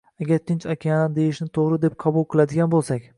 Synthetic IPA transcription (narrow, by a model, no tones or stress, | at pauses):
aɡʲaɾt̪ʰɪnt͡ʃakʲajand̪e̞jɪʃnɪt̪ʰoʁɾɪd̪e̞p̚qʰɑbʊlˠqʰɨlˠad̪ɪɡʲanbolˠsakʲ